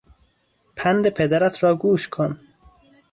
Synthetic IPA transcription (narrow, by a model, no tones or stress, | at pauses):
pʰænd̪epʰed̪æɾæt̪ʰɾɒːɡuːʃkʰon